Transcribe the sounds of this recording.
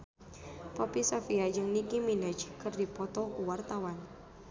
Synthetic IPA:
pɔpisafiajɨŋnikiminat͡ʃkɨrdipɔt̪ɔkuwart̪awan

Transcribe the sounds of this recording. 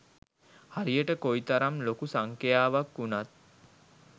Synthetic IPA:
haɾijəʈəkoit̪aɾamlokusaŋkejaːʋakːunat̪̚

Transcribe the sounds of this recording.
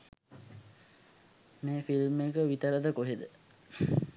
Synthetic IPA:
meːfilmekəʋit̪əɾəd̪əkoɦed̪ə

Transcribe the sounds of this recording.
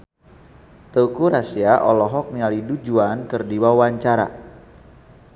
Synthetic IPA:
t̪əukuɾasiaʔɔ̰lɔɦɔk̚nialidud͡ʒuankɨrdiwawaɲt͡ʃaɾa̰

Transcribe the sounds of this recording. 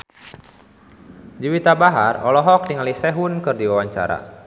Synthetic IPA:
d͡ʒiwit̪abaɦarɔlɔɦɔk̚diŋalisɛɦunkɨrdiwawaɲt͡ʃa̰ɾa̰

